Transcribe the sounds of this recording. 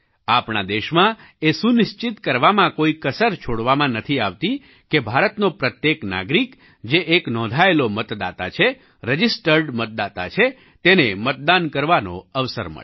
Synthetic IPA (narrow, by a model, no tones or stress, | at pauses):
apɳa̰d̪eʃmã | esunɪʃt͡ʃit̪kəɾʋamãkoikəsəɾt͡ʃʰoɽʋamãnət̪ʰiaʋt̪i | kebʱaɾət̪nopɾət̪jekna̰ɡɾik | d͡ʒeʔeknɔ̃d̪ʱaelomət̪d̪a̰t̪at͡ʃʰe | ɾəd͡ʒisʈəɾɖmət̪̚d̪at̪at͡ʃʰe | t̪enemət̪̚d̪ankəɾʋano̰əʋsə̰ɾmə̰ɭe